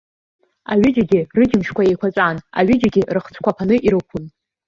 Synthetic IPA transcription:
a̰ɥɪd͡ʒaɡʲɪrɨd͡ʒɪmʃkʷʰae̞jkʷʰat͡sʷʼana̰ɥɪd͡ʒaɡʲɪrɨχt͡sʰkʷʰapʰanɨʔiɾɨkʷʰʊn

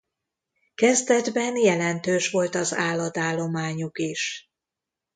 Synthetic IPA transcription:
kɛzd̪ɛd̪bɛnjɛlɛnt̪øːʃʋo̞lt̪ɒzaːlːɒd̪aːlːo̞maːɲukiʃ

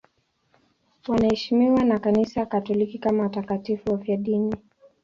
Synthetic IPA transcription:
wanahɛʃimiwanakanisajakatɔlikikamaatakatifuafjaɗini

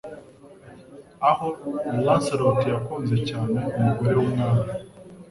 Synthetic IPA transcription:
ahouwaːnsaɾotijakuːnze̞caːne̞umuɡo̞ɾe̞wunaːɾa

